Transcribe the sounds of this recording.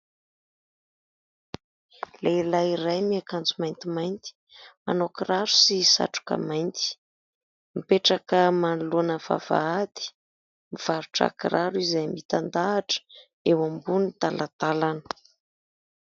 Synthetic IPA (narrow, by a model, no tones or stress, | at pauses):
lelaiɾajmiakant͡sumajnt̪imajnt̪i̥ | ma̰nokiraɾu̥sisa̰ʈ͡ʂu̥kə̰majnt̪i̥ | mipeʈ͡ʂakəmanlonəv̥a̰v̥a̰at̪i̥ | miv̥aɾuʈ͡ʂa̰kiɾaɾuizajmit̪and̪aːʈ͡ʂə̥ | ewambunit̪alat̪alanə̥